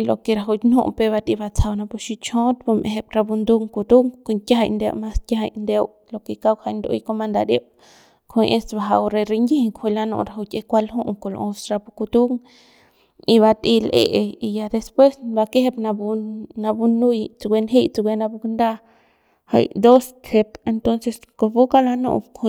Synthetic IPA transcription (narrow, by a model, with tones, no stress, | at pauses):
lo˨ke˧ɾa˧ɦu˧t̪ʲnṵ˦ʔpe˧ba˧t̪i˧ba˧t͡sʰa˧wna˧pu˧ʃi˧t͡ʃõ˦t̪bo˧mʔḛ˨ɦe˧pɾa˧bu˧nd̪u˦˧ŋku˧t̪u˦ŋko˧˨ŋkʲa˦ɦa˧˨nd̪ḛ˧wma˦skʲja˦ɦa˧jnd̪e˦w | lo˨ke˨ka˦wha˧˨jnd̪o̰˧jko˧ma˧nd̪a˧ɾe˦w | kʰo˧jʔe˦st̪ba˧˨ɦa˧ɾe˧ɾe˧ŋɡi˦he˧ŋkʰho˧la˧no̰˧˨ɾa˨ɦu˧t̪ʲe˧kʷa˦lɦu˦ʔŋko˨˧lo̰˨ʔo˧sɾa˧pu˧ku˧t̪u˦ŋ | i˧βa˧t̪i˧lʔḛ˦ʔe˧i˧ja˧d̪e˧spwe˦sba˧ke˦he˦pna˧bu˧na˧bu˧nu˦jt͡sɡʷe˧nɦi˦jt͡su˧ɡʷe˧na˧bu˧knd̪a˦ | ha̰˧jd̪o˦st͡ʃe˧pe˧nt̪o˦nse˧s | ko˧bu˦ka˦la˧no̰˧ʔkʰo˧